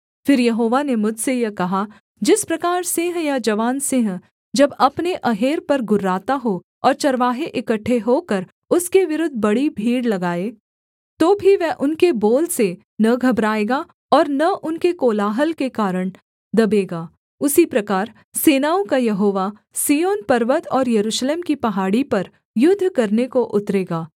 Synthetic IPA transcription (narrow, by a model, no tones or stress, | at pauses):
fɪɾjɐɦoːʋanemʊd͡ʒʱsejɐkɐɦa | d͡ʒɪspɾɐkaːɾsɪ̃ːɦjad͡ʒɐʋaːnsɪ̃ɦ | d͡ʒɐbɐpneʔɐɦeːɾpɐɾɡʊɾːaːt̪aɦo | ɔːɾt͡ʃɐɾʋaːɦeʔɪkəʈʰːeɦoːkɐɾ | ʊskeʋɪɾʊd̪ʱbɐɽibʱiːɽlɐɡaːeː | t̪oːbʱiʋɛɦʔʊnkeboːlse | nɐɡʱɐbɾaːeːɡa | ɔːɾnɐʔʊnkekoːlaːɦəlkekaːɾəɽ̃ | d̪ɐbeːɡaː | ʊsipɾɐkaːɾ | seːnaːõkajɐɦoːʋa | siːjoːnpɐɾʋət̪ɔːɾjɐɾuːʃleːmkipɐɦaːɽipɐɾ | jʊd̪ʱːkɐɾnekoʔʊt̪ɾeːɡaː